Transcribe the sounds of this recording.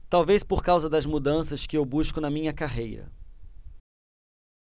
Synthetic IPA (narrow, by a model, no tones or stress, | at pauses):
t̪awvespoɾkawzɐd̪ɐzmud̪ɐ̃sɐskɪewbuʃkʊnɐmĩɲɐkaɦejɾɐ̰